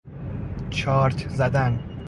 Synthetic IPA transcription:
t͡ʃʰɒːɾt̪ʰzæd̪æn

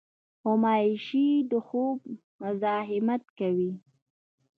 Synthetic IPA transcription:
ʊmɑjɪʃid̪əxob̚ | mʊzɑɦɪmat̪kawi

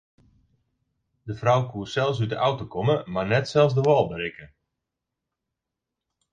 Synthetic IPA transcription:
dəvrawkuəsɛlˠs̬ydəʔawtokʰɔməmarnɛtsɛlˠsdəʋɔlˠbəɾɪkə

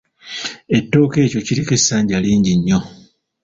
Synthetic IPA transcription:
e̞tːo̞ːke̞ːco̞ciɾikesːaːɲɟaliːɲɟiɲːo̞

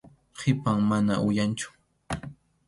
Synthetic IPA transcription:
qʰɪpaŋmanaʔʊjant͡ʃʊ̥

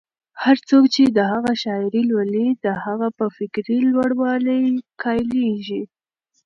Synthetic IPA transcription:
haɾt͡sokt͡ʃed̪əhaɣaʃɑɪɾilwalid̪əhaɣapəfɪkɾilwaɽwɑləjkʰɑjleʒi

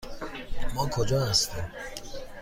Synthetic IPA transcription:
mɔːkʰod͡ʒɒːhæst̪im

